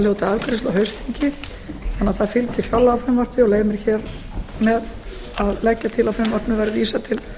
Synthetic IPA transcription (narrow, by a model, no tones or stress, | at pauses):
ljowt̪aalkɾɪst̪aɦœɥst̪iɲcɪ | θanːaθaðfɪlcɪ̥fjawlːaawfɾɪmvar̥t̪nɪɔɣleːjmɪɾ̥çɛːɾ | mɛð | aðlɛcːat̪ʰɪlawfɾɪmvar̥t̪nʏvajɾɪɾviːsat̪ʰɪl